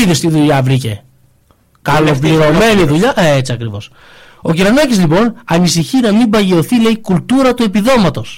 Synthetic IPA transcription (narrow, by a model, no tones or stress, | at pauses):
iðist̪iðuʎɐvɾice̞̰ | kɐlo̞pliɾo̞me̞niðuʎɐet͡siɐkɾivo̞̰s | o̞ciɾɐnɐcizlipo̞nɐnisiçinɐmimbɐʝeo̞θile̞ikult̪uɾɐt̪ue̞piðo̞mɐt̪o̞s